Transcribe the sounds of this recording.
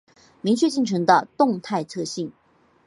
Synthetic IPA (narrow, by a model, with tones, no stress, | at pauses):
mi˧˥ŋt͡ɕʰɥɛ˥˧t͡ɕi˥˩ŋnʈ͡ʂʰɤ˧˥ŋd̪ə˧t̪ʊ˥˨ŋt̪ʰa˥˧ɪt͡sʰɤ˥˧ɕi˥˩ŋ